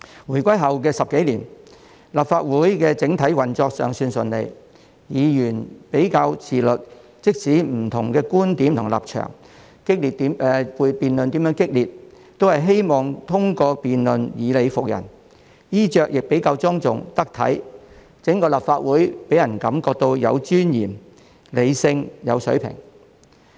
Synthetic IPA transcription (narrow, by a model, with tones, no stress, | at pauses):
wuː˨˩jkʷɐ˥jɦɐ˨wkɛː˧sɐ˨p̚ke˨˥jliː˨˩n | laː˨pfaː˧t̚wuː˨˥jkɛː˧t͡sɪ˨˥ŋt̪ʰɐ˨˥jwɐ˨˩nt͡sɔː˧k̚sœ̰ː˨˩ŋsyː˧nsɵ˨˩nlḛ˨˩j | jiː˨˧jyː˨˩npe˨˥jkaː˧wt͡sʰiː˨˩lɵ˨t̚ | t͡sɪ˥k̚siː˨˥m̩˨˩t̪ʰʊ˨˩ŋkɛː˧kuː˥nt̪iː˨˥mt̪ʰʊ˨˩ŋla̰ː˨p̚t͡ʃʰœ̰ː˨˩ŋ | kɪ˥k̚li˨t̚t̪iː˨˥m˧u˨˧piː˨nlɵ˨nt̪i˨˥mjœː˨˥ŋkɪ˥k̚liː˨t̚ | t̪ːo˥whɐ˨˩jɦe˥jmɔː˨ŋt̪ʰʊ˥ŋkɔː˧piː˨nlɵ˨˧njiː˨˧le˨˧jfʊ˨k̚jɐ̰˨˩n | jiː˥t͡ʃœː˨˧k̚jɪ˨k̚pe˨˥jkaː˧wt͡sɔː˥ŋt͡sʊ̰˨ŋt̪ɐ˥k̚t̪ʰɐ̰˨˥j | t͡sɪ˨˥ŋkɔː˧laː˨˩p̚faː˧t̚wuː˨˥jpe˨˥jɐ˨˩nkɐ˨˧˥mkɔː˧k̚t̪o˧wjɐ̰˨˧wt͡ʃyː˥njiː˨˩m | le˨˧jsɪ˧ŋjɐ˨˧wsɵ˨˥ɥpʰɪ̰˨˩ŋ